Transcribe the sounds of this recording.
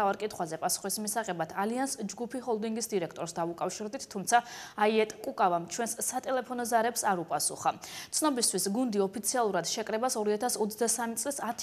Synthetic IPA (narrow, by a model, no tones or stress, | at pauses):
avaɾkʼit̪ʰχwazɛpʼasu̥χismisaʁɛbat̪ʰaliansd͡ʒɡupʰiɦɔlˠd̪iŋɡisd̪iɾɛkʰt̪ʼɔɾsd̪aukʼafʃiɾd̪it̪ʰt̪ʰːumt̪sʰaaiɛt̪ʼkʼukʼavamt͡ʃʰwɛnsːat̪ʼɛlɛpʰɔnɔzaɾɛpsaɾupʼasṵχat̪sʰnɔbist̪ʰwisɡund̪iɔpʰit̪sʰialˠuɾad̪̥ʃɛkʼɾɛbasɔɾiat̪ʰasɔt̪sʰd̪asamit̪sʼlisat̪ʰ